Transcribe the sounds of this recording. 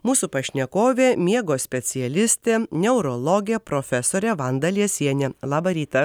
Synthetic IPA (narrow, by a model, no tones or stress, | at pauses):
muːsupɐʃʲnʲɛkoːʋʲeːmʲiɛɡoːsʲpʲɛt̪sʲɪjɛlʲɪsʲt̪ʲeːnʲɛʊɾɔlˠɔɡʲeːpɾofʲɛsoːɾʲɛʋɐnd̪ɐlʲiɛsʲiɛnʲeːlˠɑːbɐɾʲiːt̪ɐ